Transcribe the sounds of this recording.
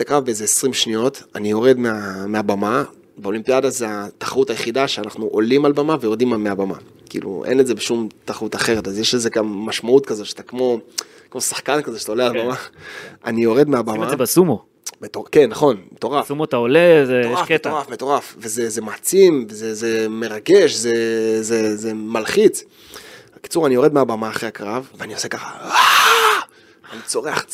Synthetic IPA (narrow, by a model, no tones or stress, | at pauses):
t̪akʁavbeezeesʁimʃnijo̞tanijo̞ʁe̞dmeameabama | beo̞limpiadazeat̪ḁχaʁutajeχidaʃeanaχnuʔo̞limalbamavejo̞ʁd̪imameabama̰ | kḭlṵʔḛneze̞beʃumt̪aχaʁutaχe̞ʁet̪azjeʃeze̞ɡamːaʃmautkazo̞t̪ʃat̪akmo̞ | kmo̞sḁχkankazeʃe̥tao̞lealbamaa̰nijo̞ʁe̞d̪meabamazebasumo | metokenːaχo̞nmet̪o̞ʁasumot̪aolezeoʃakettaafmeto̞ʁafvezeze̞maːt͡simvezeze̞me̞ʁaɡe̞ʃzezezemalχit͡s | aki̥t͡suʁanio̞ʁed̪meabamaːχʁeakʁavveaniose̞kaχaa | anit͡so̞ʁea̰χ